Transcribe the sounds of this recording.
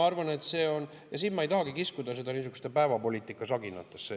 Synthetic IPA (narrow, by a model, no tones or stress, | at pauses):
ɑrvɑne̞t̪se̞ːo̞n | jɑsiːnmɑejt̪ɑɦɑɡ̥ikiskud̪̥ɑs̬e̞d̪ɑniːs̬ykust̪epæevɑpo̞lʲiːt̪ːˑikˑːɑsɑɡinɑ̰t̪ːˑesːe